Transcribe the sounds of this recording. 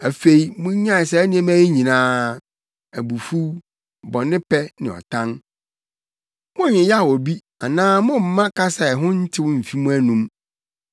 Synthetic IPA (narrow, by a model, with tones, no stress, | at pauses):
æ˨fe˨i˨mʊ̃˦ɲ˦ɲã˦˨sɛ˨˦nɪ̃˦ɛ̃˦mæ˦e˦ɲĩ˨nãː˦ | æ˨bu˨fu˦ | bɔ˨nɪ̃˦pʰɛ˦nɪ̃˨ɔ̰˨tʰã˦n | mʊ̃˦˨ɲɪ̃˨jɛ˦a˦˨wɔ˨bi˦ | a˨nãː˦mʊ̃˦m̩˦mã˦kʰa˦sa˨ɛ˨ɦʊ̃˦n̩˦tʰɪ˦wʊ̃˦m̩˨fi˦mũ˦æ˦nũ˦m